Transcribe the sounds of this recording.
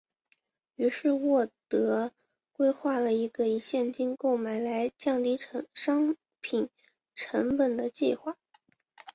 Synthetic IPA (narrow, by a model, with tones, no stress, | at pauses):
y˧˥ʂɻ̩˥˧wɔ˥˩t̪ɤ˧˥ | kwe˥ɪxwa˥˩lə˩i˧˥ɡə˧i˨˩ɕjɛ˥˩nt͡ɕi˥nko˥˩ʊma˨˩ɪla˧˥ɪt͡ɕjɑ˥˧ŋt̪i˥˩ʈ͡ʂʰə˧˥ŋʂɑ˥ŋ | pʰi˨˩n | ʈ͡ʂʰə˧˥ŋpə˨˩nd̪ə˦t͡ɕḭ˥˧xwa˥˩